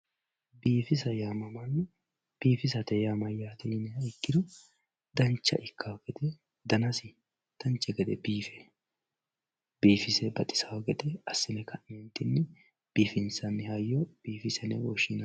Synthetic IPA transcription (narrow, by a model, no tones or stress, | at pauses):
biːfɪs̬ɐjaːmɐmɐnːɛ | b̥iːfɪs̬ɐt̪ɛjamɐjːaːt̪ɛjɪnɛɐɪkːɪd̪ɔ | d̪ɐnt͡ʃːɐ̰ʔɪkːaɡɛd̪ɛ | d̪ɐnɐsɪ | d̪̥ɐnt͡ʃːɛɡɛd̪ɛ̰biːfɛ | b̥iːfɪsɛbɐt̪ʼɪ̥sɐwɐɡɛd̪ɛɐsːɪnɛkɐʔɪmɛnt̪ːɪnːɛ | b̥iːfɪnsɐnːɪhajːɔb̥iːfɪsɛnɛwɔʃɪnɐ